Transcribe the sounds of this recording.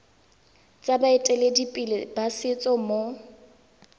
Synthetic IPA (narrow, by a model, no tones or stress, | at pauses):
t͡sʼabaɪtʼɛledipʼilɪbasɪt͡sʼɔmo